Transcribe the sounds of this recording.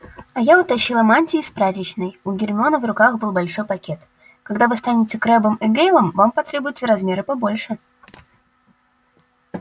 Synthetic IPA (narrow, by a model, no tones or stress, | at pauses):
ɐjaʊt̪ɐɕːilˠəmanʲtʲɪːspɾat̪ʲɪt͡ɕnɨjʊɡʲɪrʲmʲɪo̞nəvrʊkaxbɨlˠbɐlʲʂo̞jpɐkʲe̞t̪ | kɐɡd̪avɨst̪anʲɪtʲɪkɾɛbɨmiɡejlˠəmvampɐt̪ɾʲe̞bʊjɪt̪səɾɐzmʲe̞ɾɨpɐbo̞lʲʂɨ